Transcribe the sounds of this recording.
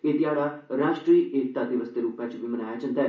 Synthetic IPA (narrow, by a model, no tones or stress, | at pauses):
eːd̪ɪaːɽaːɾaːʃʈɾiːʔeːk̚t̪aːd̪ɪʋəsd̪eːɾuːpãːt͡ʃʋimənaːjaːt͡ʃə̃nd̪aɛ